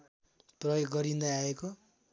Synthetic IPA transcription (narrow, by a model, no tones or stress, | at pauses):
prʌjoɡɡʌɾind̪aːeko